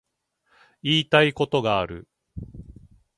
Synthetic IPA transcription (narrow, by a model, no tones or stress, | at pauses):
iːt̪aiko̞t̪o̞ɡaːɾɯ̟̰